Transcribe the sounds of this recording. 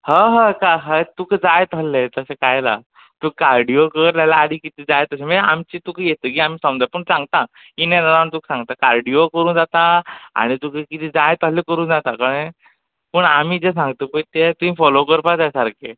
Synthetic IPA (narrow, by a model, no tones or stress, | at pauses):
həɦəkaɦət̪uːkd͡zajt̪əlːet̪əsekajla̰ | t̪uːkːaɾɖiokəɾljalaːɽiːkit̪iːd͡zajt̪əseməamt͡ɕit̪ukʰəjet̪ək̬iːam̤iːsə̃md͡zapəɳsãŋɡt̪a | inenaɾaɳt̪uːksãŋɡt̪akaɾɖiokəɾuːnd͡zat̪aa̰ɽ̃it̪ukəkit̪iːd͡zajt̪əɦlekəɾuːnd͡zat̪akəɽ̃ẽ | pəɳamiːd͡zes̬ãŋɡt̪əpəjt̪et̪ũĩfɔlokəɾpat̪jasaɾkʰe